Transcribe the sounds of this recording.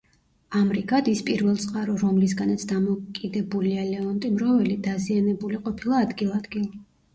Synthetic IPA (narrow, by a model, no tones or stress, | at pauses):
amɾiɡad̪ispʼiɾvɛlˠt̪sʼqʼaɾɔɾɔmlisɡanat̪sʰd̪amɔkʼid̪ɛbulialɛɔnt̪ʼimɾɔvɛlid̪azianɛbuliqʼɔpʰilˠaːd̪ɡilˠad̪ɡilˠa